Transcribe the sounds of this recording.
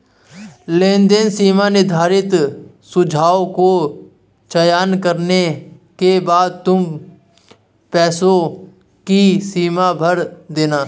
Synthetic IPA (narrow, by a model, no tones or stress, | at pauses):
lẽːnd̪ensiːmanɪd̪ʱaːɾɪt̪ | sʊd͡ʒʱaːoko | t͡ʃɐjaːnkəɾnekebaːd̪̚t̪ʊm | pɛːsõ | kisiːmabʱəɾd̪eːnaː